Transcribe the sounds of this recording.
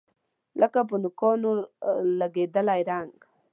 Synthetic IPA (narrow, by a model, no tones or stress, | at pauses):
ləkapənʊkonolaɡed̪əlajɾaŋɡ